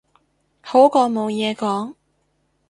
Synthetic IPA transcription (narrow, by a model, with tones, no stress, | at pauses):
ho˨˥wkɔː˧ŋmo˨˧wjɛː˨˧kɔː˨˥ŋ